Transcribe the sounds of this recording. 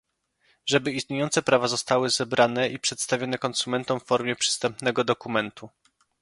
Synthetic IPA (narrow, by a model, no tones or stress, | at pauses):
ʐɛbɘist̪ɲejɔnt̪sɛpɾavazɔst̪awɘzɛbɾanɛipʂɛt̪st̪avʲjɔnɛkɔnsumɛnt̪ɔmfːɔɾmʲjɛpʂɘ̥st̪ɛmpnɛɡɔd̪ɔkumɛnt̪u